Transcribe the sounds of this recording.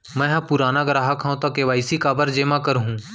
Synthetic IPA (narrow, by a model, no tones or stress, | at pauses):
mɛ̃ːɦɐ̃pʊɾaːnaɡɾaːɦəkʰãt̪akeʋaːisikaːbəɾd͡ʒeːmakəɾɦũː